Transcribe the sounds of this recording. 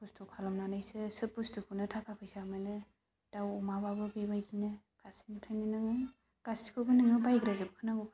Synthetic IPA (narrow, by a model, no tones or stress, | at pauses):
pustʰɔkʰalɔmnanajsɯsɯpustʰukʰunɯtʰakʰapʰɯjsaamajlɯ | d̥awɔmababɯbebajɡinɯ | pʰasinitʰajnɯnɯŋɯ | ɡ̥askʰɯbɯnɯŋɯbajɡɾazɯp̚kʰɯnabɔkʰ